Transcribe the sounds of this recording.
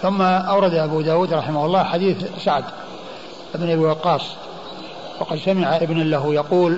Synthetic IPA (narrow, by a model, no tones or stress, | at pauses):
θʊmːaʔawɾˤɑd̪aʔabud̪aːwuːd̪ɾˤɑħɪmahʊlˤːɑːħad̪iːθsaʕd̪ | ʔɪbnʔabiwɑqːɑːsˤ | wɑqɑd̪samɪʕaʔɪbnalaɦjɑquːl